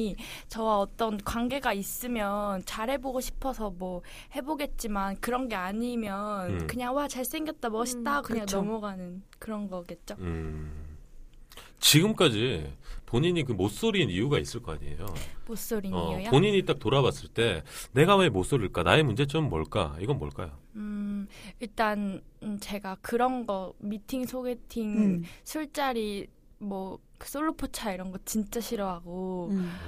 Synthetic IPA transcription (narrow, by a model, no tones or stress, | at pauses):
t͡ɕʌwaʌt͈ʌnkwaŋɡe̞ɡais͈ɯmjʌnt͡ɕaɾe̞boɡoɕʰi̥pʰʌsʰʌmwʌ | he̞boɡe̞t̚t͡ɕ͈imankɯɾʌnɡe̞aɲimjʌnkɯɲaŋwat͡ɕaɭs͈e̞ŋɡjʌt̚t͈amʌɕʰit͈akɯɲaŋʌmoɡanɯnkɯɾʌnɡʌɡe̞t̚t͡ɕ͈oɯ | t͡ɕiɡɯmk͈ad͡ʑipoɲiɲik̬ɯmos͈oɾinijuɡais͈ɯɭk͈ʌk͈a̰ɲḭḛjo̰mos͈oɾiɲʌpoɲiɲit͈ak̚toɾawas͈ɯɭt͈e̞ne̞ɡawemos͈oɾiɭk͈anaemund͡ʑe̞t͡ɕ͈ʰomːʌɭk͈a̰iɡʌnmʌɭk͈ajo̰ɯiɭt͈ant͡ɕe̞ɡakɯɾʌnɡʌmitʰiŋsʰoɡe̞tʰiŋsʰuɭt͡ɕ͈aɾi | mwʌ | kɯ̥s͈oɭːopʰot͡ɕʰaiɾʌnɡʌt̚t͡ɕint͡ɕ͈aɕʰiɾʌɦaɡo